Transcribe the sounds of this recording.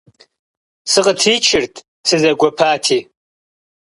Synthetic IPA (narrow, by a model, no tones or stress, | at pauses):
sɨqʼətʰit͡ʃʰɪrtʼ | sʰɨzaɡʷapʰaːtʰi